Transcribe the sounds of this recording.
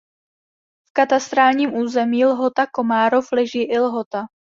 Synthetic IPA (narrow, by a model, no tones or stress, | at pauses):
fkat̪ast̪ɾaːlɲiːmʔuːzɛmiːlɦo̞t̪ako̞maːɾoflɛʒiːʔɪlɦot̪a